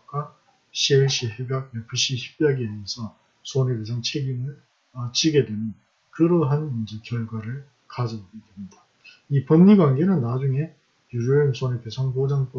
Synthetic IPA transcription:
k͈a | ɕʰieɭɕ͈ʰiɦebjak̚mepʰɯɕ͈iɕi̥p͈̚jaɡimjʌnsʰʌ | sʰonekesʰaŋt͡ɕʰeɡimɯɭ | ʌt͡ɕiɡe̞dwe̞mjʌn | kɯɾoɦanmʌnd͡ʑekjʌɭɡwaɾɯɭ | kad͡ʑʌboɡedwemɲida | ipʌnːiɡwanɡe̞nɯnːad͡ʑuŋe̞ | juɾonsʰonepe̞sʰʌŋpod͡ʑaŋpo

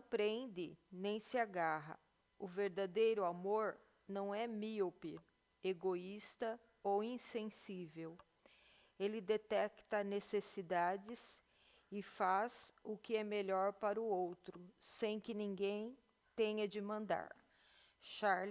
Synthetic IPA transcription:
pɾẽnd̪ɪnẽj̃sɪaɡaɦɐ̰ | ʊveɾd̪ad̪ejɾʊamoɾ | nɐ̃w̃ɛmiopɪ | eɡoist̪ɐ | owĩsẽsivew | elɪd̪et̪ɛkt̪ɐnesesid̪ad͡ʒɪs | ɪfazʊkɪɛmeʎɔɾpaɾʊowt̪ɾʊsẽj̃kɪnĩŋɡẽj̃ | t̪ẽɲɐd͡ʒɪmɐ̃nd̪a̰ɾ | ʃaɾl

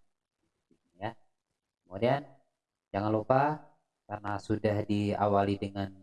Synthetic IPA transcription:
ja | kəmudian | d͡ʒaŋanlupa | karnasudahdia̰walidəŋan

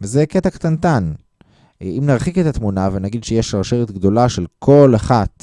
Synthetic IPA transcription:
vzeket̪akt̪ant̪an | imnaʁχike̞t̪at̪munavenaɡid̪ʃejeʃaʁʃeʁet̪ɡd̪o̞laʃelkʰo̞laχat̪

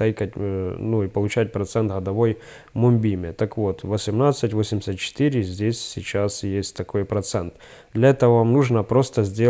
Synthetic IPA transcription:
ajkətʲnuipəlˠʊt͡ɕæt̚ʲpɾɐt̪sɛnt̪ɣəd̪ɐvo̞j | mʊmʲbʲimʲɪt̪ɐkvo̞t̪vəsʲɪmnat̪sɨtʲvosʲɪmʲɪ̥sʲət̪̚t͡ɕɪ̥t̪ɨɾʲɪzʲdʲesʲsʲɪt͡ɕasjesʲtʲt̪ɐko̞jpɾɐt̪sɛnt̪d̪lʲɐɛt̪əvəvamnuʐnəpɾo̞st̪əzʲdʲe

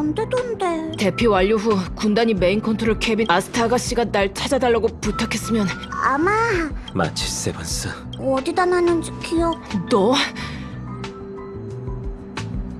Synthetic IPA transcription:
ʌmdedondete̞pʰiwaʎːoɸukundaɲime̞inkʰontʰoɾokʰebiasʰɯ̥tʰaɡaɕ͈iɡanaɭt͡ɕʰad͡ʑadaɭːaɡoputʰakʰe̞s͈ɯmjʌnamama̰t͡ɕʰi̥s͈ebʌns͈ɯ | ʌdidananɯnkijʌk̚dʌ

